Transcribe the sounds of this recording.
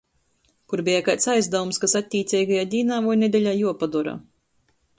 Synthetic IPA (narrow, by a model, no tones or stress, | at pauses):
kuɾbʲijakajt̪sajzd̪avumskasat̪ʲːiːt̪sʲɛjɡajaːd̪ʲiːnaːvɔjned̪ʲɛlʲaːjuɔpad̪uɾa̰ː